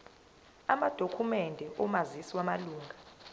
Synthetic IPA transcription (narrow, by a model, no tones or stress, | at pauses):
amad̥ʱokʰumɛndʱɛʔɔmazisiwamaluːŋɡʱa